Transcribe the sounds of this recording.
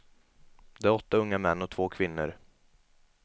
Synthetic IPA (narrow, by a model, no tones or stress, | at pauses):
d̪̥ɛæɾɔt̪ːaɵŋːamɛnːɔt̪ʰv̥oːkʰvɪnːə̰ɾ